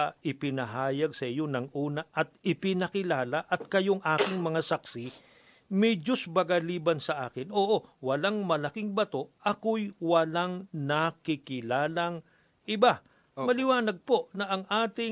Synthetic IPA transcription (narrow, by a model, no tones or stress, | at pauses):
ʔɪpɪnɐɦaːjɐɡsɐʔɪjo̞nɐŋʔuːnɐʔɐt̪ɪpɪnɐkɪlaːlɐʔɐt̪̚kɐjo̞ŋʔaːkɪŋmɐŋasɐksi | mɛjd͡ʒʊsbɐɡɐliːbɐnsɐʔaːkɪnʔoːʔowɐlaŋmɐlɐkɪŋbɐt̪o̞ʔɐkojwɐlaŋnɐkɪkɪlaːlɐŋ | ʔɪba | mɐlɪwaːnɐɡ̚po̞nɐʔɐŋʔaːt̪ɪ